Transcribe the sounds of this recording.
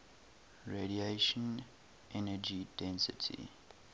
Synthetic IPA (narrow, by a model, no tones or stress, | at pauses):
ɹedieʃɔ̃n | ʔɛnəd͡ʒidɛ̃nsɪtʰḭ